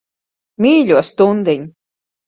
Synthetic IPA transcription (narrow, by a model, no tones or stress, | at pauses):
miːʎʲuɔst̪und̪iɲ